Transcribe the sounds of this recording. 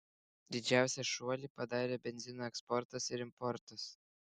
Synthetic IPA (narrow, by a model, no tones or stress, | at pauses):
d̪ʲɪd͡ʒʲæˑʊsʲɛʃuɔlʲiːˑpɐd̪ɑːɾʲeːbʲɛnʲzʲɪnoːɛkspɔɾt̪ɐsɪɾɪmpɔɾt̪ɐs